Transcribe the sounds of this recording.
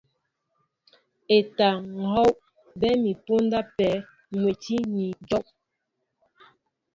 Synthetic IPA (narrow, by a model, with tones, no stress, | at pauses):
e˨ta˨ŋ̩˨hɔ˦w | bɛ˦mi˨po˦n˦da˦pɛ˨˦ | mwe˨ti˦ɲi˨d͡ʒɔ˦ʔ